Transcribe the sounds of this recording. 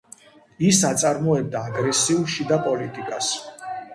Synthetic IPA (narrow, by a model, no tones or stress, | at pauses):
isat̪sʼaɾmɔɛb̚d̪aːɡɾɛsiuʃid̪apʼɔlit̪ʼikʼas